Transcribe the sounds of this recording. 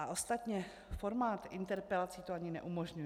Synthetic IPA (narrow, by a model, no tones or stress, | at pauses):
ʔaʔo̞st̪at̪ɲɛ | fo̞ɾmaːt̪ɪnt̪ɛɾpɛlat͡siːt̪oaɲɪnɛ̰ʔumoʒɲuj